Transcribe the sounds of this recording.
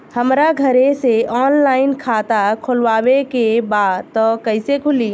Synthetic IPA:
həmɾaɡʱəɾeseʔɔːnlaːɪnkʰat̪akʰolʋaːwekebaːd̪t̪ɔkəɪsekʰʊli

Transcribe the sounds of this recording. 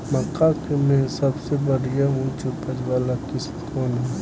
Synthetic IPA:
mɐkakemɛ̃sɐbsebɐɽijaɦũt͡ʃopəd͡ʒʋaːlakɪst̪kʰoːnɦɛ

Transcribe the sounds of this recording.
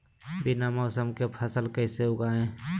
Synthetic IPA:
bɪnamɔʊsəmkepʰəsəlkəɪseʊɡaːẽː

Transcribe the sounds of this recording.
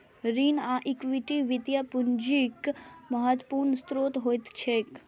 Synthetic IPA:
ɾiːnaʔikʋiʈiʋit̪japuɲd͡ʒikməɦət̪puːɾnəst̪ɾoːt̪ɦoːjt̪t͡ʃʰek

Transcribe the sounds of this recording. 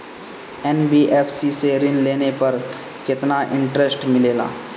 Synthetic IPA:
ɛnbiːʔeːpʰsiseɾɪnleːnepɐɾ | kɪt̪naʔɪ̃ɳʈɾesʈmɪleːla̰ː

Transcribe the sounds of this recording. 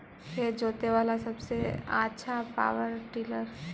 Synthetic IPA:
ked͡ʒoːt̪eʋaːlasɐbsea̰ːtːʃʰapa̰ːʋəɾʈiːləɾ

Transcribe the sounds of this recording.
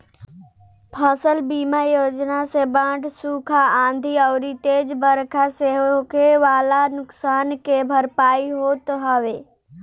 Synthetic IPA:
pʰɐsəlbiːmajoːd͡ʒnasebãːʈsuːkʰaãːnd̪ʱiɔːɾit̪eːd͡ʒbəɾkʰaseɦokeʋaːlanʊksaːnkebʱɐɾpaːiɦoːt̪ɦɐʋeː

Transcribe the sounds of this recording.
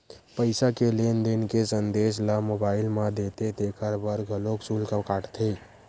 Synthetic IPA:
pəɪsakelend̪enkesənd̪eːs̬lamoːbaːɪlmãd̪et̪ed̪eːkʰəɾbəɾɡʱəloksulkãkaːʈt̪ʰe

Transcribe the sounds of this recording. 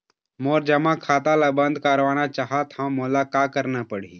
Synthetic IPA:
moːɾd͡ʒɐmãkʰaːt̪alabə̃nd̪ʱkaɾʋaːnat͡ʃaːɦat̪ɦãmoːlakaːkəɾnapəɽ̤i

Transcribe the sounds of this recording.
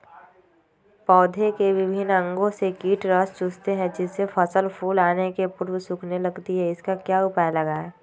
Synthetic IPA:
pɔːd̪ʱekeʋɪbʱɪnɐ̃ŋɡõsekiːʈɾɔːst͡ʃʊst̪eɦɛ̃d͡ʒɪsːefʰəsəlpʰuːlaːnekepʊɾwsʊkʰnelɐɡt̪iɦɛɪskakjaːʊpajlɐɡaːɛ

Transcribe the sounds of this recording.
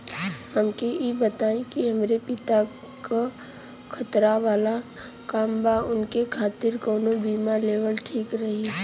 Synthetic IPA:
həmkeibət̪aːẽkiɦəmɾepɪt̪a | ka | kʰət̪ɾaʋaːla | kaːmbaʊnkekʰaːt̪ɪɾkoːnobiːmaleːʋəlʈʰiːkɾɐɦi

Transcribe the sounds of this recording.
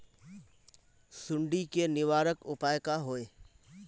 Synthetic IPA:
sʊɳɖikenɪʋaːɾəkʊpaːjkaɦoːeː

